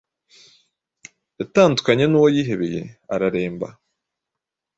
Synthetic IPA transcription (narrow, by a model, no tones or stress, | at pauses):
ataːndukaɲenuwojiːɦe̞βeje̞̰aɾaɾe̞ːmba̰